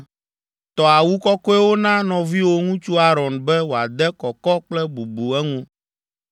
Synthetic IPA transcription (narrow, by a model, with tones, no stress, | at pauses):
t̪ɔ˨a˨wu˦kɔ˦kɔ˦ɛ˦wo˦nã˦nɔ̃˨vi˦wo˦ŋũ˦t͡ʃu˦a˦ɾɔ˨nbɛ˦wo˨a˨d̪ɛ˦kɔ˨kɔ˦k͡plɛ˦bu˨bu˨ɛ˦ŋũ˦